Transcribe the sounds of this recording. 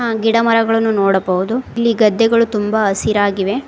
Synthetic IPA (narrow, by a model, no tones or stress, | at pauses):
ɡiɽɐmɐɾɐɡɐɭɐnːunɔːɽɐbɐʋud̪uilːiɡɐd̪ːɛɡɐɭut̪umbɐɐsiɾaːɡiʋe̞